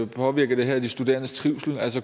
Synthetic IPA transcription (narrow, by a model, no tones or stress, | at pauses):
pʰɒ̽ʋiɐɡ̥ɐd̥e̝ɦæɐd̥isd̥ud̥e̝̰ːɐnəst͡sʰʁiʊsl̩æl̰sə